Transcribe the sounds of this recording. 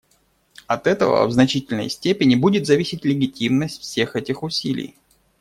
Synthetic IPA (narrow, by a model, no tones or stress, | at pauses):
ɐt̪ɛt̪ə̰və̰vznɐt͡ɕitʲɪlʲnə̰jsʲtʲepʲɪnʲɪbudʲɪt̪zɐvʲisʲɪtʲlʲɪɡʲɪtʲimnəsʲtʲfsʲe̞xɛtʲɪxʊsʲilʲɪ̰j